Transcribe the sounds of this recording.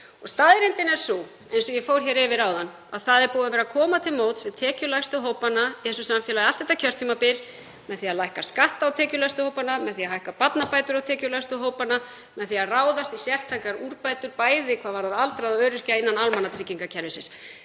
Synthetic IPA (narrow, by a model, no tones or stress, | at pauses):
ɔst̪aːðɪɾɪnt̪ɪnɛɾ̥su | ejnsɔjɛfowɾ̥çɛːɾɪvɪɾaːwðanː | a̰ðθaðɛɾpuːwavɛːɾakʰɔːmat̪ʰɪlmoːwt̪svɪðt̪ʰɛːcʏlajst̪ʏɦoːwpanaiθɛsːʏsamfjɛlaðɪalt̪ːɛht̪acʰœr̥t̪ʰːiːmapɪl | mɛðθiaðlajhkaskaht̪awt̪ʰɛːcʏlajst̪ʏhowpanamɛðθiaɦajhkapat̪napaːjt̪ʏɾawt̪ʰɛːcʏlajst̪ʏɦoːwpana | mɛðθiaraːwðast̪isjɛr̥t̪ʰajkaɾuɾpajt̪ʏɾpaːjðɪkʰvaːðvaɾaðalt̪ɾaðaœːɾɪr̥caɪnːanalmanːat̪ʰɾɪcːiŋkacʰɛɾvɪsɪs